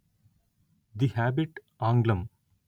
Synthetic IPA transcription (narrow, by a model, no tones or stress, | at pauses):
d̪ihæːbiʈ | ãːŋɡlɐm